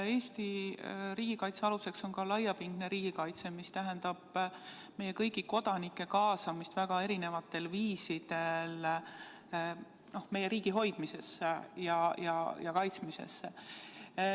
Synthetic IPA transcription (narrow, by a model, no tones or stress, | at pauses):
e̞ːst̪iɾiːɡ̥ikɑjt̪se̞ɑluse̞kso̞nkɑlɑjːɑpiŋɡ̥neɾiːɡ̥ikɑjt̪semist̪æɦend̪ɑb̥ | me̞je̞kɤjɡiko̞d̪̥ɑnikːˑe̞kɑːsɑmist̪væɡ̥ɑe̞ɾine̞vɑt̪ːe̞lviːsid̪̥e̞l | no̞hme̞jeɾiːɡ̥iɦo̞jd̪̥mise̞sːejɑjɑjɑkɑjt̪smise̞̰sːe